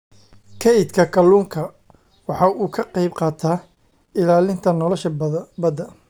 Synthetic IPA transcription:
kʰɛɪd̪kʰɐkʰɐluːŋkʰɐ | wɑħɑʔuːkʰɐqɑjbqɑːt̪ʰaː | ɪlaːlɪnt̪ʰɐnɔlɔʃɐbɐd̪ɐ

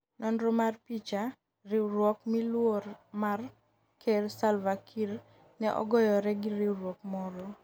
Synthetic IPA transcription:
nɔnɾɔmarpit͡ʃa | rɪɾwɔkmilwormar | kʰelsalvakʰil | nɛʔɔ̰ɡɔjɔɾɛɡɪɾiwɾwɔkmɔɾɔ

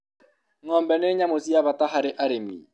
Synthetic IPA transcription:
ŋɔmbɛneɲamosiaβataɦaɾɪʔaɾemḭ

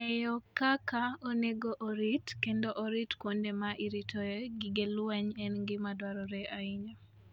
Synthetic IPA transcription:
ɛjɔkakaoneɡoʔoɾitkendoʔɔɾitkwondemaʔiɾitʰoeɡiɡelwaɲɛnɡɪmadwaɾɔɾɛaiɲa

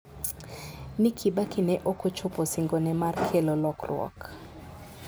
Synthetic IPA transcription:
nikʰibakɪnɛʔokot͡ʃoposiŋɡonɛmarkʰelolɔkrw̰ɔ̰k

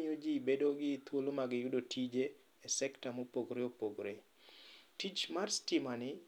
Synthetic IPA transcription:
ɲod͡ʒibedoɡɪːt̪wolomaɡɪjʊdotʰid͡ʒeː | sɛktamopoɡɾeopoɡɾe | tit͡ʃmarstɪmanɪ

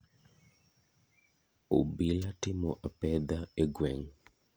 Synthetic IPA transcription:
o̰bilatɪmɔʔapɛd̪aeɡwɛŋ

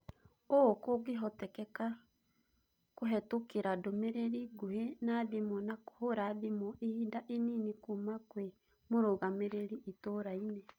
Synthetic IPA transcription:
okoɡeɦɔtɛkɛka | koɦɛtokeɾadomeɾeɾiɡohenaðimɔnako̥hoɾaðimoʔehidaʔeninikumakwe | moɾoɣameɾeɾiʔːtoɾainɛ

